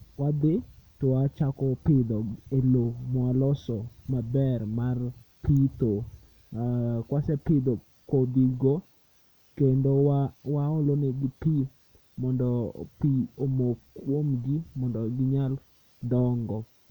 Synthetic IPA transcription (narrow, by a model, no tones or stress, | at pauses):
wad̪ɪtɔwat͡ʃakɔpɪd̪ɔelomɔalɔsɔmabɛrmarpit̪o | kwasɛpɪd̪o | kobiɡɔ | kendowwaoloneɡɪpi | mɔndɔpiomokːwomɡimɔndɔɡɪɲal | dɔŋɡɔ